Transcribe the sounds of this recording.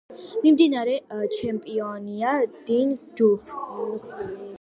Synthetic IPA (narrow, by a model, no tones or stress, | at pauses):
mimd̪inaɾɛt͡ʃʰɛmpʼiɔniad̪̥ind͡ʒufʰ